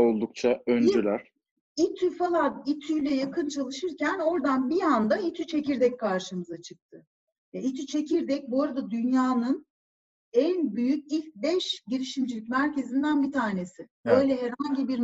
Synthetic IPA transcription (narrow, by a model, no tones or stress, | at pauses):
o̞lˠd̪uk̚t͡ʃʰaønd͡ʒylʲæɾ̥ | it̪ʰyfalˠanit̪ʰyjlʲɛjakʰɯnt͡ʃʰalˠɯʃɯɾcʰæno̞ɾd̪anbiand̪ait̪ʰyt͡ʃʰe̞ciɾd̪ɛckʰaɾʃɯmɯzat͡ʃʰɯk̚t̪ʰɯ | vɛit̪ʰyt͡ʃʰe̞cʰiɾd̪ɛc̚buaɾad̪ad̪ynjaːnɯn | ænbyjyc̚ilʲc̚bɛʃɟiɾiʃimd͡ʒilʲicʲmæɾce̞zind̪ænbit̪ʰaːne̞sɪbø̞jlʲɛɦɛɾhaɲɟibiɾ